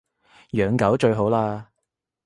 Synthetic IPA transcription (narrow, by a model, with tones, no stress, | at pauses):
jœː˨ŋkɐ˨˥wt͡ʃɵ˧ɥɦo˨˥wlaː˧